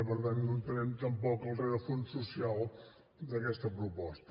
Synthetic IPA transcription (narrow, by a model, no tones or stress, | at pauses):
əβəɾðannunt̪əɾɛmt̪əmpɔkəlˠreðəfonsusialˠ | d̪əkɛst̪əpɾupɔst̪ə